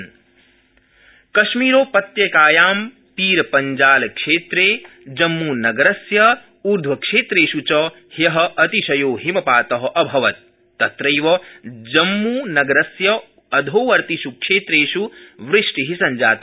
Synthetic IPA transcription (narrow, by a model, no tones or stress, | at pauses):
kɐʃmiːɾoːpɐt̪jɐkaːjaːm | piːɾɐpɐɲd͡ʒaːlɐkʂeːt̪ɾeː | d͡ʒɐmːunɐɡɐɾɐsjɐ | uːɾd̪ʱʋɐkʂeːt̪ɾeːʃut͡ʃɐ | hjɐɦɐ̆ʔɐt̪iʃɐjoːɦimɐpaːt̪ɐɦɐ̆ʔɐbʱɐʋɐt̪̚ː | ɐt̪ɾɐjʋɐd͡ʒɐmːunɐɡɐɾɐsjɐ | ɐd̪ʱoːʋɐɾt̪iʃukʂeːt̪ɾeːʃuʋɾiʂʈiɦisɐɲd͡ʒaːt̪